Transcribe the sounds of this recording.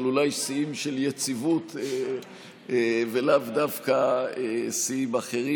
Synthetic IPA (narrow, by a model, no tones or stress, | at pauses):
lulajsiimʃeljet͡sivut̪e | velavd̪avkaesiimaχeʁi